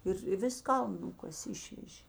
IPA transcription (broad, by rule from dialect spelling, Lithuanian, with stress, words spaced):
ɪr ɪ ˈʋʲɪs ˈkɐlˠn ˈnʊkɐsʲeː ˈɪʃʲʋʲɛʒʲeː